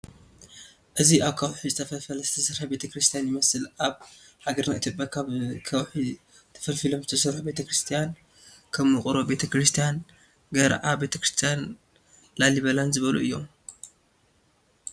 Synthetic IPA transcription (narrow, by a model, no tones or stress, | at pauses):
ʔɨziʔaβkʰɐwħizɨt̪ʰɐfɐfɐlzɨt̪ʰɐsɨɾħabe̞t̪ʰɐkɾɨst̪ʰijanjɪmɐsɨlaβħaɡɐɾnaʔit̪ʰʲjopʼjakʰaβkʰɐwħi | t̪ʰɐ̥fɐlfilo̞mzɨt̪ʰɐsɨɾħube̞t̪ʰɐkɾɨst̪ʰijan | kʰɐmːɨkʼɨɾo̞be̞t̪ʰɐkɾɨst̪ʰijan | ɡɐɾa̰ʔabe̞t̪ʰɐkɾɨst̪ʰijan | laliβɐlanzɨβɐlṵʔɨjːo̞̰m